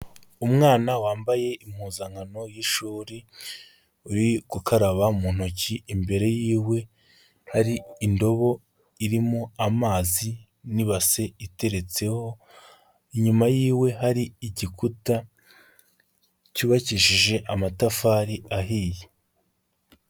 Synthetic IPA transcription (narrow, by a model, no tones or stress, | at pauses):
umŋaːnawaːmbaje̞ʔim̥huːzaŋano̞jiʃuːɾi | uɾikukʰaɾaβamuːn̥ociimbe̞ɾe̞jiːwe̞ | haɾiːndo̞βo̞ | iɾimoamaːzi | niβase̞ite̞ɾe̞t͡se̞ho̞ | iɲumajiːwe̞ɦaɾiiɟikuta | cuːβaciʃiʒe̞ʔamatafaːɾiaɦiːje